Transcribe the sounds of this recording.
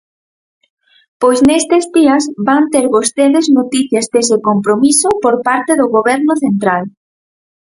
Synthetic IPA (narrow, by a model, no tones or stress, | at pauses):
pojsnest̪ezdiɐzβant̪eɾβost̪eðeznot̪iθjazd̪esekompɾomisʊpoɾpaɾt̪eðʊɣoβɛɾnʊθent̪ɾal